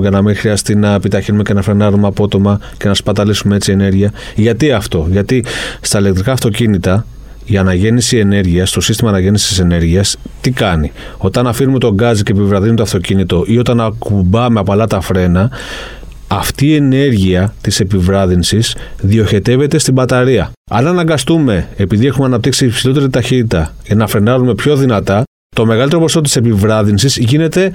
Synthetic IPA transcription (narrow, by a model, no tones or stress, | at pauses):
cɐnɐmiŋxɾiɐst̪inɐepit̪ɐçinumecenɐfɾenɐɾumeɐpo̞t̪o̞mɐ | ce̞nɐspɐd̪ɐlisumee̞t͡sie̞ne̞ɾʝiɐʝɐt̪iɐft̪o̞ʝɐt̪ist̪ɐile̞k̚t̪ɾikɐːft̪o̞cinit̪ɐ | iɐnɐʝe̞nisie̞ne̞ɾʝiɐst̪o̞sist̪imɐːnɐʝe̞nisiise̞ne̞ɾʝiɐst̪ikɐnio̞t̪ɐnɐfinume̞t̪o̞ɡɐzicepivɾɐðinumet̪oɐft̪o̞cinit̪o̞ʔio̞t̪ɐnɐkubɐme̞ɐpoɐlɐt̪ɐfɾe̞nɐ | ɐft̪iːe̞ne̞ɾʝiɐt̪ise̞pivɾɐðinsisðio̞çe̞t̪e̞ve̞t̪e̞st̪ibɐt̪ɐɾiɐ | ɐ̰nɐnɐŋɡɐst̪ume̞ːpiðie̞xumeɐnɐp̚t̪iksipsilo̞t̪eɾit̪ɐçit̪it̪ɐʝɐnɐfɾe̞nɐɾume̞pço̞ðinɐt̪ɐ | t̪o̞me̞ɣɐlit̪eopost̪ot̪ise̞pivɾɐðinsizʝine̞t̪e̞